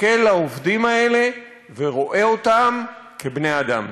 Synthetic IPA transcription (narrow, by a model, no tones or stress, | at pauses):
kelaovd̪imae̞le̞ | veʁo̞ʔe̞o̞t̪am | kebnead̪a̰m